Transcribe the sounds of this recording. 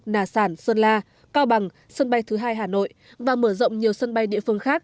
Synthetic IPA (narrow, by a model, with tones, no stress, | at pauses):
naː˧˩saː˧˩nswə˧nlaː˧ | kaː˧wɓa˨˩ŋ | sə˧nɓa˧jt̪ʰɨ˨˦ɦaː˧jɦaː˨˩no̰˧˨j | vaː˨˩məː˧˩zə̰˧˨wŋ͡mɲi˨˩əwsə˧nɓa˧jɗḭ˧˨əfɨ˧əŋxaː˦˥k̚